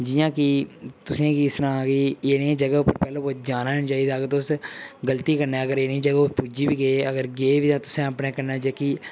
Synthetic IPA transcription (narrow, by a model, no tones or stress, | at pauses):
d͡ʒɪjãːkɪt̪ʊsẽːkɪɪst̪əɾãːkɪːeːnẽːd͡ʒəɡaːʊpːəɾpɛːlõːbɔːd͡ʒaːnaːnt͡ʃaːiːd̪aːɡɾt̪oʊsɡəlt̪iːkəɾnɛːəɡəɾeːnĩːd͡ʒəɡaːʊspuːd͡ʒiːbiːɡeːəɡəɾɡeːʋiːt̪ãːt̪ʊsẽːəpneːkəɾnɛːd͡ʒeːkiː